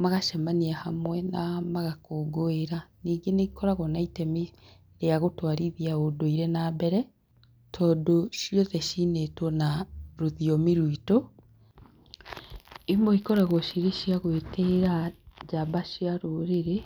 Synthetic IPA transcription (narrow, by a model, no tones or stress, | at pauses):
maɣaʃɛmaniahamwɛnamaɣakoɡoeɾaniːŋɡeneikɔɾaɣɔnaitɛme | ɾeaɣotwaɾiðiaodoiɾenaːbɛɾɛ | tʰɔdoʃiɔðɛʃinetɔnaɾoðiɔmiɾwito | imɔikɔɾaɣɔʃiɾeʃiaɣweːteɾad͡ʒabaʃiaɾoɾeɾe